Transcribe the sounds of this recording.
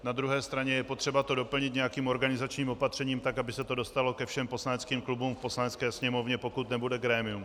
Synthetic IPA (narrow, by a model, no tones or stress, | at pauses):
nad̪ɾuɦɛːst̪ɾaɲɛjɛpo̞t̪r̥ɛbat̪o̞do̞pl̩ɲɪt̪̬ɲɛjakiːmʔo̞ɾɡanɪzat͡ʃɲiːmo̞pat̪r̝̥ɛɲiːmt̪akabɪsɛt̪o̞do̞st̪alo̞kɛfʃɛmpo̞slanɛt͡skiːmklubuːmfposlanɛt͡skɛːsɲɛmo̞vɲɛpo̞kut̪nɛbudɛɡɾɛːmɪum